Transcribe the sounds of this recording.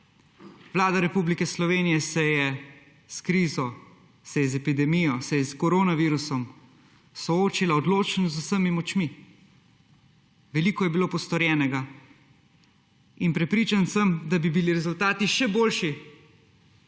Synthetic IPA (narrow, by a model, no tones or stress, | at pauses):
ʋlaːd̪aɾɛpublikɛslɔʋeːnijɛsɛjɛ | skɾiːzɔ | sɛjɛzɛpid̪ɛmijɔsɛjɛskɔɾoːnaʋiːɾusɔm | sɔoːt͡ʃilaɔd̪loːt͡ʃnɔzusəmimɔt͡ʃmi | ʋɛliːkɔjɛbiloːpɔst̪ɔɾjɛːnɛɡa | inpɾɛpɾiːt͡ʃansəmd̪abibiliɾɛzult̪aːt̪iʃɛboːlʃi